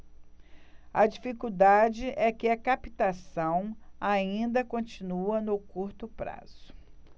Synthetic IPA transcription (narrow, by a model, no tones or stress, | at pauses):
ɐd͡ʒifikuwd̪ad͡ʒɪʔɛkɪɐkapi̥t̪asɐ̃w̃aĩnd̪ɐkõt͡ʃinuɐnʊkuɾt̪ʊpɾa̰z̥ʊ̥